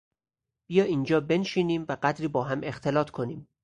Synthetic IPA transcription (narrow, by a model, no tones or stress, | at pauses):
b̥ijɒːiːnd͡ʒɒːbe̞nʃiːniːmvæɢæd̪ɾiːbɒːɦæme̞xt̪ʰe̞lɒːt̪ʰkʰo̞niːm